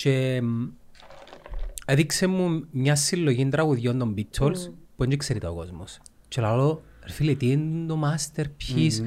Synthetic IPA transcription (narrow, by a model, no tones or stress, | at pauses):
t͡ʃe | eðiksemːumɲɐsːilːoʝind̪ɾɐɣuðʝond̪ombit̪ʰːolspueɲd͡ʒikseɾit̪ɐokozmos | t͡ʃelalo | eɾfilit̪ind̪omast̪eɾpçis